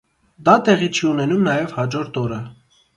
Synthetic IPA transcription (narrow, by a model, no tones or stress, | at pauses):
d̪ɑt̪ɛʁit͡ʃʰiunɛnumnɑjɛvhɑd͡ʒɔɾt̪ɔɾə